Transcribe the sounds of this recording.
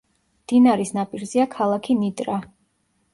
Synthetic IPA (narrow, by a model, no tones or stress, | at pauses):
md̪̥inaɾisnapʼiɾziakʰalˠakʰinid̪ɾa